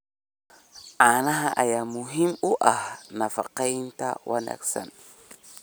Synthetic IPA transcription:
ʔanaɦaʔajamuɦimuʔanafaqajinta̰wʔana̰ksa̰n

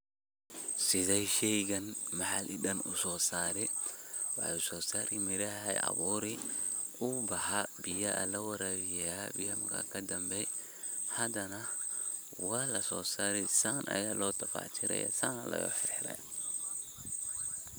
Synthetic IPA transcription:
sɪðɛjʃɛjɣɐnmɐħalʔɪɗɐnʔʊ̰sɔːsaːɾɛwɑħʊsɔːsaːɾimɪɾɐhɛjʔɐ̰βuːɾɪ | ʔʊbɐħɐbɪjɐʔɐ̰lɐwɐɾɐɾɪjɛ̰bɪjɐmɐkʰa̰kʰɐd̪ɐmbɛj | hɐd̪ɐnɐ | waːlɐsɔːsaːɾɛsaːnʔɐ̰jaːlɔːt̪ʰɐfa̰ːt͡ʃʰɪɾɛ̰jɐ̰saːnɐ̰lʔɐ̰jɔ̰ːħɪɾħɾɛ̰j

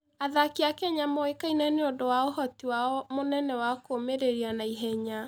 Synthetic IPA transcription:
aðakiakɛɲamoekainɛneondowaohɔtiwaɔmonɛnɛwakomeɾeɾianaiɦɛɲa

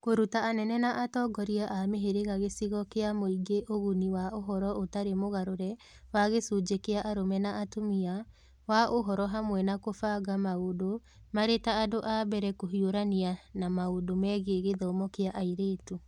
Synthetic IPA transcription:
koɾutaanɛnɛnaʔatɔɡɔɾiaʔameɦeɾeɣaɣesiɣɔkeamoiɡeʔoɣuniwaʔoɦɔɾɔʔotaɾemoɣaɾoɾɛ | waɣesud͡ʒekeaʔaɾomɛnaʔatomia | waʔoɦɔɾɔɦamwɛnakofaɣamaodo | maɾetaːdoʔabɛɾɛkoɦioɾanianamaodomɛːɣeɣeðɔmɔkeaʔaiɾeːtu

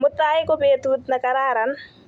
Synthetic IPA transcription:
mʊt̪ːaːɪkɔbet̪uːt̪nakaɾaːɾan

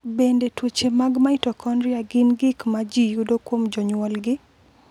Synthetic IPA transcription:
bendetwot͡ʃemaɡmaɪtɔkʰɔnɾɪaɡɪnɡɪkmad͡ʒijudokwomd͡ʒɔɲwɔlɡɪ

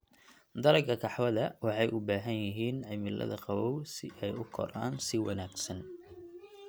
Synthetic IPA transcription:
d̪ɐɾɐɡɐkʰɑħwɐðɐwɑħɑjʔʊbaːɦɐnjɪɦiːnʕɪmɪlʔɐ̰ðɐ̰qɑwɔwsɪʔɛjʊkʰɔ̰ɾa̰ːnsɪwɑnaːɡsɐn

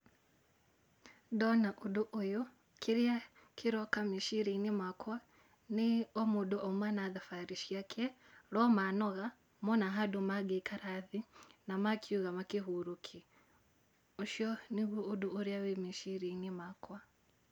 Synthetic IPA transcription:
dɔnaʔuduʔːju | kʰiɾia | kʰiɾɔkamiʃiɾinimakwa | niɔmuduʔɔmwanaðafaɾiʃjakʰɛ | ɾɔmanɔɣa | mɔnaɦadumaɡekʰaɾaðinamakʰuɣamakiɦuɾukʰi | uʃjɔniɣuːduːɾjawemiʃiɾinimakwa

